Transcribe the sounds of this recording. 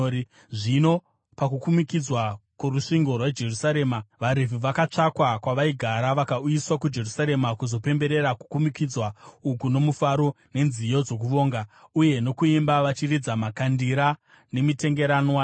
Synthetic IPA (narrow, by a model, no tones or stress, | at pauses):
ʐino̞ | pakukumikid͡zwakuruʂiŋɡo̞rwad͡ʒe̞rusaɾe̞ːmaʋaɾevuʋakat͡ʂakwakwaʋaiɡʱaɾaʋakaujiswakud͡ʒe̞rusaɾe̞makuzo̞pe̞mbe̞ɾe̞ɾaku̥kumikid͡zwaukuno̞mufaɾo̞ | ne̞nzijo̞d͡zo̞k̬uʋo̞ːŋɡauje̞no̞kuimbaʋat͡ʃirid͡zamakandiɾa | ne̞mite̞ŋɡe̞ɾanwa